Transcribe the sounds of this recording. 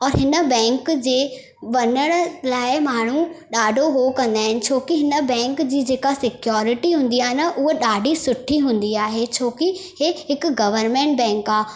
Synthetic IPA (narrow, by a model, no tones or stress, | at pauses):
ɔːɾɦɪnə̆bɛ̃ːŋkd͡ʑeː | ʋɐnəɽ̃əlaːɪmaːɳ̤uɗaːɖʱoɦokɐ̃nd̪aːɦɪnɪ̆t͡ɕʰoːkiɦɪnə̆bɛ̃ːŋkd͡ʑiːd͡ʑeːkasɪkjɔːɾɪʈiɦũːn̆d̪iaːɦɪnɐʔʊɦoɗaːɖʱisʊʈʰːiɦũːnd̪iaːɦet͡ɕʰoːkiheɦɪkɡɐʋəɾmẽːɳʈ̚bɛ̃ːŋkaː